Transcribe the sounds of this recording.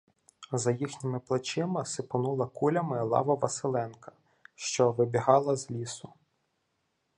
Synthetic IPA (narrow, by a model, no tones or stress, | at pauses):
zɐjixnʲɪmɪplˠɐt͡ʃɪmɪsɪpʊnulˠɐkulʲɐmɪlˠɑ̰ʋɐʋɐsɪlˠɛnkɐ̥ | ʃt͡ʃɔʋɪbʲiɦɑlˠɐzlʲisʊ